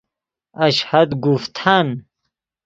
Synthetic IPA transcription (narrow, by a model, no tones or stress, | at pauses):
aɕhad̪ɡuft̪ʰan